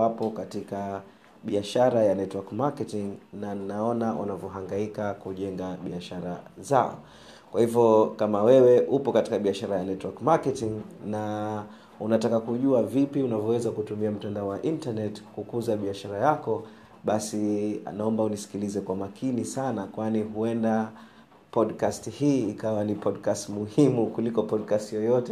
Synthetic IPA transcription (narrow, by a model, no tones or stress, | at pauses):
apɔkatika | ɓiaʃaɾajanɛtwakmakɛtiŋnannaɔnawʔa̰navjɔɦaŋɡaikakuʄɛŋɡaɓiaʃaɾa̰zaɔ̰ | kwahivjɔkamawɛwɛʔupɔkati̥kaɓiaʃaɾajanɛtwakmakɛtiŋna | unatakakuʄuavipiunavjɔwɛzakutumiam̩tandaɔwaʔintanɛtkukuzaɓiaʃaɾajakɔ | ɓasia̰naɔmbaunisi̥kilizɛkwamakʰinisanakwaniɦuɛnda | pɔɗkastihiːkawanipɔɗkastmuhimukulikɔpɔɗkastjɔjɔtɛ